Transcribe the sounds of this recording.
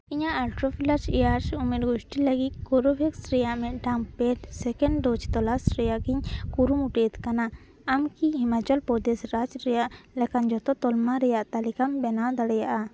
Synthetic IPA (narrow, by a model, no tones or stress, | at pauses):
iɲaʔalʈɾopʰilaɾsɛjaɾsumeɾɡuʃʈiləɡit̪̚ɡɔɾubʱɛksɾɛjaʔmɛʔɖampɛʈsɛkɛɳɖɖɔd͡ʒt̪ɔlasɾɛjaʔkiɲkuɾumuʈet̪kanaː | mkiɦimat͡ʃalpɔd̪esɾad͡ʒɾɛjaʔlɛkand͡ʒɔt̪ɔt̪ɔlmaɾɛjaʔt̪alikambɛnad̪aɽɛjaʔa